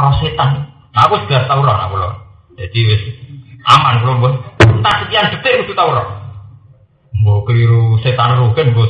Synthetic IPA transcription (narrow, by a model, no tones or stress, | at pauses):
ɾɔset̪an | nakusɡ̪̥ast̪auɾɔna̰kulɔ̰ | d͡ʒ̥ad̪̥iwɪsamankulombɔnt̪asət̪iand̥̪ə̤b̪ekut̪ut̪auɾɔ | mbokiɾuset̪aɾruɡɛnmbo